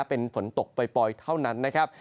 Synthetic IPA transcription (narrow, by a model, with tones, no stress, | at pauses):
pe˧nfo˩˦nt̪o˨˩k̚pa˧jpɔ˧jt̪ʰa˥˩wna˦˥nːa˦˥kʰa˦˥p̚